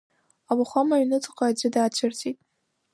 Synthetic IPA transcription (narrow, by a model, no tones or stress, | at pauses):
awaχʷamaɥnɨt͡sʼqʼaad͡ʒɪdaːt͡ɕʷʰartʰitʼ